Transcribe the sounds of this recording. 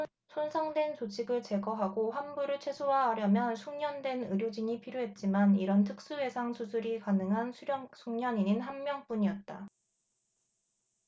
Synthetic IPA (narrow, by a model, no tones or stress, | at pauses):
sʰonsʰaŋdwe̞nt͡ɕot͡ɕʰiɡɯɭt͡ɕe̞ɡʌɦaɡoɦamɡuɾɯɭt͡ɕʰwe̞sʰoɦaɦːɾjʌmjʌnsʰuŋɲʌndwe̞nɯɾjod͡ʑiɲipʰiɾjoɦe̞t̚t͡ɕ͈imaniɾʌntʰɯk̚s͈uwe̞sʰaŋsʰusʰuɾikanɯŋɦanʰsʰuŋɲʌɲiɲinɦanmjʌŋp͈uɲiʌt̚t͈a